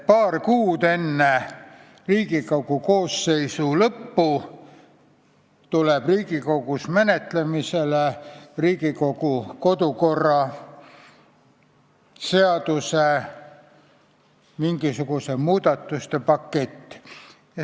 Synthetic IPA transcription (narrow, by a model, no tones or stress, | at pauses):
pɑːrkuːd̪e̞nːe | riːɡiko̞ɡ̥ukoːsːe̞jsulɤpːu | t̪uleb̥riːɡ̥iko̞ɡusmenet̪lemiseleriːɡ̥iko̞ɡ̥uko̞d̪uko̞rːɑ | seɑd̪̥use | miŋɡ̥isuɡ̥usemuːd̪̥ɑt̪ːˑust̪e̞pɑkːet̪ː